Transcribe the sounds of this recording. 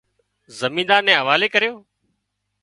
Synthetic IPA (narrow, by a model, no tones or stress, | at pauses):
zəmĩːnd̪aːɾnɛ̃ːɦəʋaːleːkəɾjoː